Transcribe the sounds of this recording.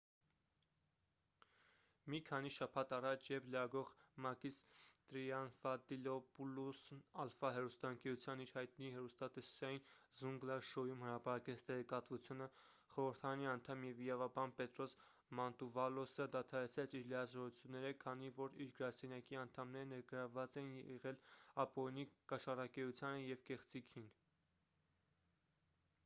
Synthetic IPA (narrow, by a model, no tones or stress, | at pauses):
mikʰɑniʃɑpʰɑt̪ɑrɑt͡ʃʰjɛvʰləɾɑɡɔʁmɑkist̪ɾiɑnfɑd̪ilɔpulusnɑlfɑɦɛrust̪ɑəŋkɛɾut͡sʰjɑniɾhɑjt̪nihɛɾust̪ɑt̪ɛsɑjinzuŋɡlɑʃɔjumhəɾɑpɑɾɑkɛt͡sʰt̪ɛʁɛkɑt̪vut͡sʰjunə | χɔɾəɾt̪ʰɑɾɑniɑnt̪ʰɑmjɛviɾɑvɑbɑnpɛt̪ɾɔs | mɑnt̪uvɑlɔsəd̪ɑt̪ʰɑɾɛt͡sʰɾɛt͡sʰiɾlijɑzɔɾut͡sʰjunːɛɾəkʰɑnivɔɾiɾɡəɾɑsɛnjɑkiɑnt̪ʰɑmnɛɾənɛɾɡəɾɑvːɑt͡sɛnjɛʁɛlɑpɔɾinikɑʃɑrɑkɛjut͡sʰjɑnəjɛvkɛχt͡sikʰin